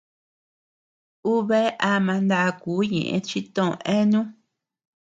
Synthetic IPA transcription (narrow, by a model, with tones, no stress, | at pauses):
u˦βe˦ʔa˦mã˧nd̪a˧kuː˨˦ɲḛ̃˨ʔḛ̃˧t͡ʃi˦t̪õ˦˨õ˧˨ʔẽ˦nũ˦